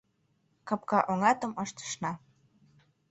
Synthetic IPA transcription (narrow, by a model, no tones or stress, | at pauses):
kɑp̚kɑʔoŋɑt̪ə̆mɤʃt̪ə̥ʃnɑ